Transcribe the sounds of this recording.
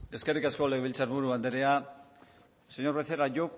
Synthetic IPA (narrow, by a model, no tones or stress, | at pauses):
e̞ske̞rikaskoleβilt͡saɾβuɾuand̪eɾea | seɲo̞ɾβesθeɾaʝok